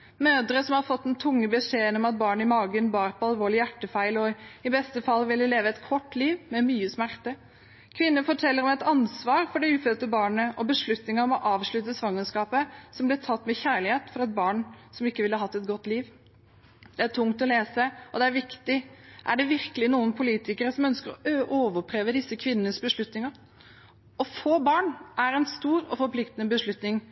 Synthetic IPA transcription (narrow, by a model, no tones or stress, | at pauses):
møːd̪əɾəsɔmhɑɾfɔt̪ːɛnt̪ʰʊŋːəbəʂeːnɔmɑt̪̚bɑːɳɪmɑːɡənbɑːɾpʰɔɑlʋoːɭɪjæʈːəfæɪlɔɪbɛst̪əfɑlːʋɪlːəleːʋəɛt̪kʰɔʈːliːʋmɛmyːəsmæɾt̪ə | kʰʋɪnːəfɔʈʰɛlːəɾɔmɛt̪ɑnsʋɑːɾfɔɖɛʉːføt̪əbɑːɳəʔɔbəʂɭʉt̪nɪŋəɾɔmɔʔɑːʋʂɭʉt̪ːəsʋɑŋːənskɑːpəsɔmblɪɾtʰɑt̪ːmɛçæːɭɪheːt̪fɔɾɛt̪̚bɑːɳsɔmɪkːəʋɪləəɦɑt̪ːɛt̪̚ɡɔt̪ːliːʋ | d̪̥ɛæʈʰʊŋt̪ɔleːsəɔd̪ɛæɾʋɪkt̪ɪʔæɖɛʋɪɾkəlɪnuːənpʰʊliːt̪ɪkəɾəsɔmœnskəɾɔʔoːʋəpʰɾeːʋəd̪ɪsːəkʰʋɪnːənəsbəʂɭʉt̪nɪŋɑ | ɔfoːbɑːɳʔæɾɛnst̪uːɾɔ̰fɔɾpʰlɪkt̪ənəbəʂɭʉt̪nɪŋ